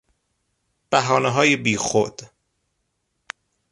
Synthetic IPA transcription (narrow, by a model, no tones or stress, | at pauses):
b̥æɦɒːneɦɒːjebiːxo̰d̪̥